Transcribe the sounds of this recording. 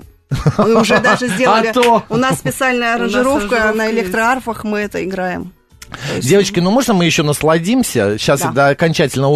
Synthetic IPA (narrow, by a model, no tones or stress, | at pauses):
mɨʊʐɛd̪aʐɨzʲdʲeɐəlʲɪt̪oʊnassʲpʲɪt̪salʲnəjəɐɾənʐɨɾo̞fkənəɪlʲekt̪ɾəarfəxmɨɛt̪əɪɡɾajɪm | dʲe̞vət͡ɕkʲɪnumo̞ʐnəmɨjɪɕːo̞nəslˠɐdʲimsʲəɕːasɛt̪əɐkɐnʲt͡ɕætʲɪlʲnə